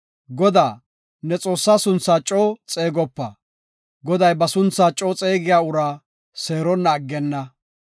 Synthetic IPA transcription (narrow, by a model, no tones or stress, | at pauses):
ɡɔd̪aː | nɛt͡sʼo̞ːsːaːsʊnt͡sːaːt͡ʃʼːoːt͡sʼeːɡɔpːɐ | ɡɔd̪ɐjbɐsʊnt͡sːaːt͡ʃʼːoːt͡sʼe̞ːɡɪjaːʊɾaː | se̞ːɾɔnːɐːɡːɛnːɐ